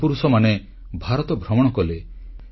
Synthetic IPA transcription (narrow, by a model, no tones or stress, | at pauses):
puɾusɔmane | bʱaɾɔt̪ɔbʱɾɔmɔɽ̃ɔkɔle